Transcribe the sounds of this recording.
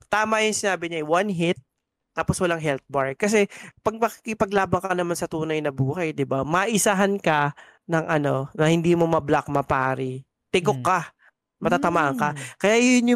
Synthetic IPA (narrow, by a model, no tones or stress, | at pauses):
t̪aːmɐjʊŋsɪnaːbɪɲawanɦɪt̪̚ː | aːposwɐlaŋɦɛlt̪̚baɹɡ̚kɐs̬ɛpɐɡ̚mɐki̥kɪpɐɡlaːbɐŋkɐnɐmansɐt̪uːnɐjnɐbuːhɐjd̪ɪbamɐʔɪsaɦankɐ | nɐŋʔɐno̞nɐhɪnd̪iːmomɐblak̚mɐpaːɾi | t̪ɪɡokːɐ | mɐt̪aːt̪ɐmaːʔɐŋkɐkɐjaʔjʊnjʊ